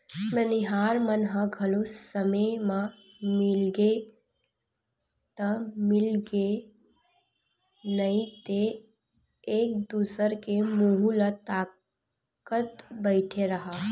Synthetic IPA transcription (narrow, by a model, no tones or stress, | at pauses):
məniɦaɾmənɦə̃ɡʱəlosəməmã | mɪlɡe | t̪əmɪlɡe | nəit̪eː | k̚d̪usəɾkemuɦulət̪aː | kət̪bəɪʈʰeɾəɦa